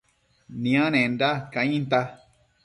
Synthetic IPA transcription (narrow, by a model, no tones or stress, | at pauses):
nĩãnẽndakãĩnt̪a